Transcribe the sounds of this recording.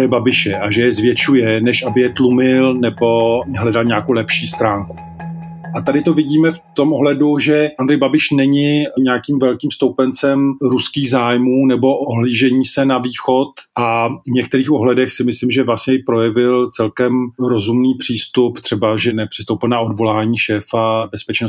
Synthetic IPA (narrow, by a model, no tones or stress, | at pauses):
ɾɛjɛbabɪʃɛʔaʒɛjɛzvjɛt͡ʃujɛnɛʃʔabɪjɛt̪lumɪlnɛbo̞ɦlɛdalɲaːkowlɛpʃiːst̪ɾaːŋku̥ | ʔat̪adɪt̪ovɪɟiːmɛft̪o̞mʔoɦlɛduʒɛʔand̪ɾɛjbabɪʃnɛɲɪɲɛakiːmvɛlkiːmst̪owpɛnt͡sɛmɾuskiːɣzaːjmuːnɛbo̞ʔoɦliːʒɛɲiːsɛnaviːxot̪ʔavɲɛk̚t̪ɛɾiːxoɦlɛdɛxsɪmɪslimʒɛvlasɲɛjɪpɾojɛvɪlt͡sɛlkɛmɾozumniːpr̝̥iːst̪upt̪r̝̥ɛbaʒɛnɛpr̥ɪ̥st̪owpɪlnaodvo̞laːɲiːʃɛːfabɛspɛt͡ʃnos